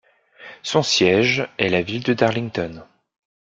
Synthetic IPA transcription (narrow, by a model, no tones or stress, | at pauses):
sɔ̃sjɛʒɛlavild̪əd̪aʁliŋt̪ɔn